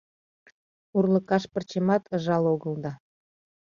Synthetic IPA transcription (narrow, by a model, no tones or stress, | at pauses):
urlə̆kɑʃpərt͡ɕemɑt̪ʰə̆ʒɑloɣəld̪ɑ